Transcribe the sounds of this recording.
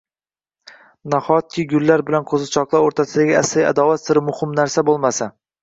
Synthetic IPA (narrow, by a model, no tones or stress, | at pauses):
naχɒt̪̚kʲʰɪɡʲʊlːaɾbɪlanqʰozɪt͡ʃʰɒqlˠaoɾt̪ʰasɪd̪aɡʲɪasɪa̰d̪ɒwat̪sɪɾɪmʊhɪmnaɾsabolˠmasa